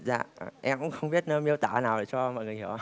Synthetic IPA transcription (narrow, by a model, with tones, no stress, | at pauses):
za̰ː˧˩˨ʔɛ˧mkʊ̰˧˥ŋ͡mxə˧wŋ͡mɓi˦˥ət̚nəː˧mi˧əwt̪aː˧˩naː˨˩wɗa˨˩jt͡ɕɔ˧mɔ̰˧˨ŋɨ˨˩əjhi˧˦əw